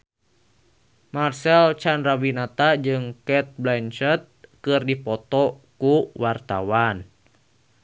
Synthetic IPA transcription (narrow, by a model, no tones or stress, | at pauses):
marsɛlt͡ʃandɾawinat̪ad͡ʒɨŋkɛt̪̚blɛnt͡ʃət̪̚kɨrdipɔt̪ɔkuwart̪a̰wan